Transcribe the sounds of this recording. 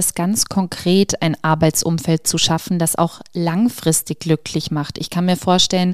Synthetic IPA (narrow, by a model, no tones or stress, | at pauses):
sɡ̥ant͡skʰɔŋkʁ̥eːtaɪnʔaɐbaɪt͡sʔʊ̰mfɛlt̚t͡suʃafn̩dasa̰ʊxlaŋfʁ̥ɪstɪçɡ̥lʏkʰlɪçmaχtɪçkʰanmiːɐfoːɐʃtɛlən